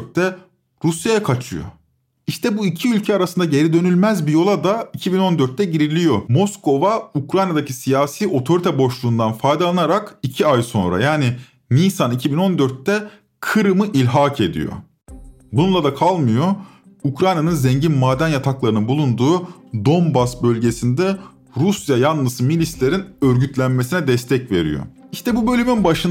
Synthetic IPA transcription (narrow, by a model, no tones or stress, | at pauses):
ɾt̪ːɛ | ɾusjajakʰat͡ʃʰɯjo̰ | iʃt̪ʰɛbuicʰiylʲcʰɛaɾasɯnd̪aɟe̞ɾid̪ø̞nylʲmæzbijo̞lˠad̪aicʰibino̞nd̪øɾt̪̚ːɛɟiɾilʲijo̞mo̞sko̞vaukɾajnad̪acʰisijaːsiːʔo̞t̪ʰo̞ɾit̪ʰɛbo̞ʃlˠuːnd̪anfajd̪alˠanaɾakicʰiajso̞̰nɾa̰jaːnɪ | niːsanicʰibino̞nd̪øɾt̪ːɛ | kʰɯɾɯmɯʔilʲɦaːkʰe̞d̪ḭjo̰ | bununlˠad̪akʰalˠmɯjo̞ | ukɾajnanɯnzɛɲɟinmaːd̪ænjat̪ʰaklˠaɾɯnɯnbulˠund̪uːd̪o̞mbasbø̞lʲɟe̞sind̪ɛ | ɾusjajanlˠɯzmilʲislʲeɾinøɾɟyt̪ʰlʲænmesinɛd̪ɛst̪ʰɛcve̞̰ɾḭjo̰iʃt̪ʰɛbubø̞lʲymynbaʃɯ